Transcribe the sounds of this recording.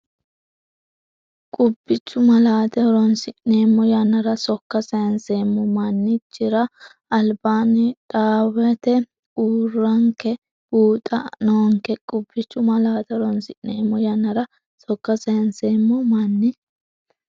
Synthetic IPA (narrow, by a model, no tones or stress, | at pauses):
kʼʊbːɪt͡ʃːʊmɐlaːt̪ɛɔɾɔnsɪʔneːmːɔjanːɐɾɐsɔkːɐsɐjɐnse̞ːmːɔmɐnːɪt͡ʃːɪɾɐ | ɐlbaːnɪᶑʼaːwɛt̪ɛ | uːrːɐŋkɛ | b̥uːt̪ʼɐnɔŋkɛkʼʊbːɪt͡ʃːʊmɐlaːt̪ɛɔɾɔnsɪʔnːeːmːɔjɐnːɐɾɐ | sɔkːɐsɐjɐnseːmːɔmɐnːɪ